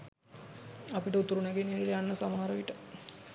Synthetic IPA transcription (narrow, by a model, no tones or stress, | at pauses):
apiʈəut̪ːuɾunæɡeneɾilejanːəsamaɦaɾɐʋiʈə